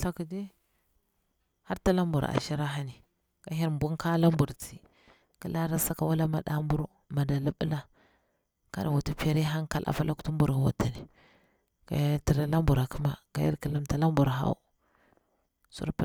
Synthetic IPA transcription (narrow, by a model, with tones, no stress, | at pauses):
ɬa˦ku˨di˦ | ha˦ɾta˦la˦mbu˨ɾa̰˨ʃi˦ɾa˦ɦa˦ni˨ | ka˨ɦi˦ɾm˨bu˦nka˦la˦mbu˨ɾt͡si˨ | ki˦la˦ɾa˦sa˦ka˦wa˦la˦ma˨ɗa˦mbu˦ɾu˦ | ma˨da˨la˦ɓə˦la˦ | ka̰˦da˨wu˨ti˦pa˦ɾi˦ɦa˦ŋka˦lʔa̰˨fa˦la˦ku̥˦tu˦mbu˨ɾwa̰˨ta˨ni˨ | ka̰˨ja˦ti˨ɾa˦la˦mbu˨ɾa˨kə˦ma˨ka̰˨jḭ˦ki˨la˦mta˨la˦mbu˨ɾɦa̰˦ṵ˦˨ | sṵ˦ɾp